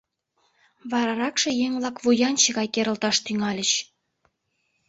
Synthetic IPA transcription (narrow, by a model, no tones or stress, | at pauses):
βɑɾɑɾɑkʃĕjeŋβlɑkβujɑnt͡ɕə̆ɣɑjkeɾə̆lt̪ɑʃt̪yŋɑlʲət͡ɕ